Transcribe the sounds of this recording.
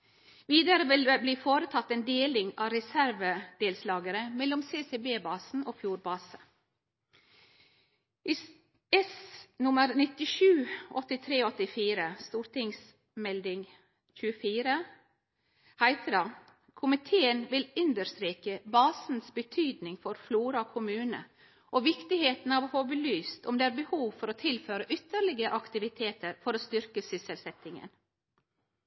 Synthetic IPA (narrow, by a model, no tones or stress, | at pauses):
ʋiːd̪əɾəʋɪlbliːfoːɾət̪ʰɑt̪ːeːnd̪eːlɪŋɑ̰ːɾɛsæɾʋəd̪̥eːlslɑːɡəɾəmɛlːɔmseːseːbeːbɑːsn̩ʔoːfjuːɾbɑːsə | ʔiː | ɛsnʊməɾnɪt̪ɪʃʉːʔɔt̪ɪt̪ʰɾeːoɔt̪ɪfiːɾəst̪uːɾt̪ɪŋs | mɛld̪ɪŋ | çʉːəfiːɾə | hæɪt̪ʰədɑ | kʰʊmɪt̪ʰeːənʋɪlʉnd̪əɾst̪ɾiːkəbɑːsn̩sbət̪ʰyːd̪nɪŋfɔɾfluːɾɑkʰʊmʉːnə̰ | ʔoːʋɪkt̪ɪheːt̪n̩ɑːʋhobəlyːst̪ʊmd̪eːæːɾbəhuːʋfɔɾoːt̪ʰɪlføːɾəʔʏt̪ːəɾɭɪɡəʔɑkt̪ɪʋɪt̪ʰeːt̪ʰəɾfɔɾoːst̪ʏɾkəsʏsəlsɛt̪ɪŋə̰n